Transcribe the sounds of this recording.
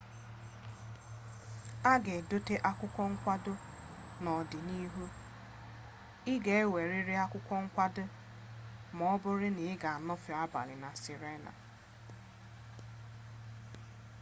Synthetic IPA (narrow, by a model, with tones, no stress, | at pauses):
a˦ɡe˨dʊ˦te˦ʔa˦kʷʊ˦kʷɔ˦ŋ̩˦kʷa˦dʊ˦ | nɔ˨dɪ˨ni˦ɦu˦ | ɪ˦ɡe˨e˦we˨ɾɪ˦ɾɪ˦a˦kʷʊ˦kʷɔ˦ŋ̩˦kʷa˦dʊ˦ | m˨ɔ˦bʊ˦ɾɪ˦nɪ˨ɪ˦ɡa˨a˨nɔ˦fʊ˨a˦ba̰˨lɪ˨na˨si˨ɾe˦na̰˨